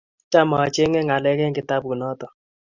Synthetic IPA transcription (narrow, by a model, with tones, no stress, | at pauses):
t͡ʃa˦ma˨a˨t͡ʃe˦ŋɛ˦ŋa˨lɛ˦kɛ˦ŋ˦ɡɪ˨ta˦p̚ku˨nɔ˦tɔ˨